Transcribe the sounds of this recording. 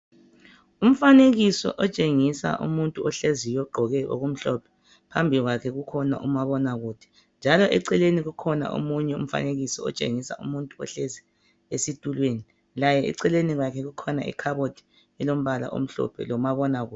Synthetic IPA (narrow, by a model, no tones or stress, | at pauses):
um̩faneɣisɔ̰ʔɔt͡ʃʼeŋisa̰ʔṵmuntʼuɔɬezijɔɡ͡ǃʱɔɣɛʔo̰ɣum̩ɬɔpʰɛ̥ | pʰambʱiɣwakʰɛɣukʰɔna̰ʔumaβɔnaɣuːtʰi̥ | nd͡ʒʱalɔʔɛǀɛleniɣukʰɔna̰ʔo̰muɲɛṵm̩fa̰neɣisɔɔ̰t͡ʃʼḛŋisa̰ṵmuntʼuɔ̰ɬezi | esitʼulweni | lajɛḭǀɛleniɣwakʰɛɣukʰɔnaʔḭkʰaβotʰi̥ | ɛlom̩βala̰ʔo̰m̩ɬɔ̰pʰɛ̰lɔmaβɔnaɣṵː